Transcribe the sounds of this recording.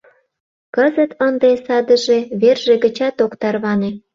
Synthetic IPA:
kəzət̪ənd̪esɑd̪əʒeβerʒeɣət͡ɕɑt̪okt̪ɑrβɑne

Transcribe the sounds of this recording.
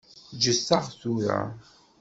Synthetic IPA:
d͡ʒəsːaʁθuɾa̰

